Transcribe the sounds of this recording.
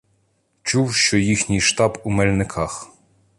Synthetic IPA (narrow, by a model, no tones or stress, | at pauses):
t͡ʃuwʃt͡ʃɔjixnʲijʃt̪ɑbumɛlʲnɪkʰɑx